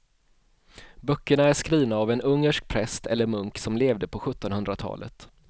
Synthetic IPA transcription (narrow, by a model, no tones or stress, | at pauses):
bœkːəɳaæʂkɾiːvnaːvɛnɵŋːəʂk̚pʰɾɛst̪ʰɛlːəɾmɵŋksɔmleːvd̪əpʰɔɧɵt̪ːɔnhɵnd̪ɾat̪ʰɑ̰ːlʔə̰t̪